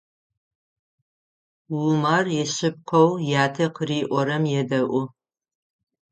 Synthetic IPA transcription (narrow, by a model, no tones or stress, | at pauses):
wumarjɛɕɪp̚qʰɐwjaːtʰɐqʰəriːʔʷɔɾɐmjɛdɐʔʷʊ